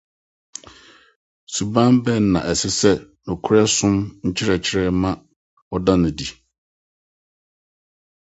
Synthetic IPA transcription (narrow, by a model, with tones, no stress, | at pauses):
su˨bã˦mbɛ˦n˦nã̰˨ʔɛ˨sɪ˦sɛ˦ | nʊ̃˨kʰʊ˦ɾɛ˦sʊ̃˦mɲ̩˦t͡ɕʰɪ˦ɾɛ˨t͡ɕʰɪ˦ɾɛ˦mã˦ | ɔ˦dã˦nʊ̃˨di˨